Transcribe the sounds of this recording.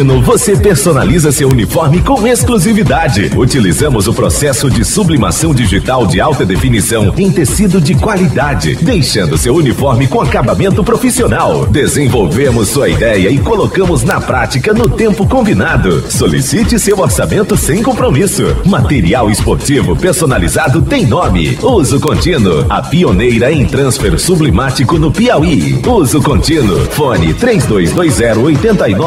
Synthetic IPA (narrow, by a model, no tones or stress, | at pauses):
nʊvosepeɾsona̰lizɐsewunifɔɾmɪkõw̃eskluzivid̪ad͡ʒɪ̰ut͡ʃilizɐ̃mʊzʊpɾosɛsʊd͡ʒɪsublima̰sɐ̃w̃d͡ʒiʒit̪awd͡ʒɪawt̪ɐd̪efinisɐ̃w̃ẽj̃t̪esid̪ʊd͡ʒɪkwalid̪ad͡ʒɪ̰d̪ejʃɐ̃nd̪ʊsewunifɔɾmɪkõakabamẽnt̪ʊpɾofisionawd̪ezẽvowvemʊsːuɐid̪ɛjɐɪkolokɐ̃mʊznɐpɾat͡ʃikɐnʊt̪ẽmpʊkõbinad̪ʊ̰solḭsit͡ʃɪsewoɾsamẽnt̪ʊsẽj̃kõpɾomisʊ̰mat̪eɾiawɪspoɾt͡ʃivʊpeɾsonalizad̪ʊt̪ẽj̃nõmɪ̰uzʊkõnt͡ʃĩnʊ̰ɐpionejɾɐẽj̃t̪ɾɐ̃sfeɾsublemat͡ʃikʊnʊpiawiuzʊkõnt͡ʃĩnʊ̰fõnɪ̰t̪ɾejzd̪ojzd̪ojzːɛɾʊojt̪ẽnt̪ɐinɔ